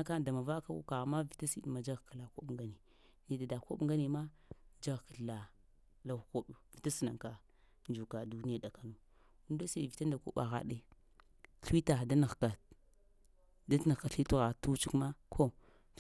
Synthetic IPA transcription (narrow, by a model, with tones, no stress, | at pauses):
a˦ka˦da˨ma˨va˦ka˦ṵ˦ka˨ma˦vi˨ta˦sḭ˦dma˨d͡ʒa˦ɣka˨la˨ko̰˦ɓŋ˨ɡa˦ni˨ | ni˨da˨da˨ko˦ɓŋɡa˦ni˨ma˦ | d͡ʒa˦ɣka˨ɬla˨ | la˦˨ko˦ɓu˨vi˨ta˦si˨na˨ka˨ | nd͡ʒu˨ka˨du˦ni˦a˨da˨ka˨nu˨ | u˦da˦se˨vi˨ta˦nda˨kṵ˦ɓa̰˨ɣa̰˦ɗi˦ | ɬi˦ta˨da˦na˨ɣka˨ | da˦na˨ɣka˨ɬi˦u˦ɣa˨tu˦t͡ʃi˦ma˦kʰo˦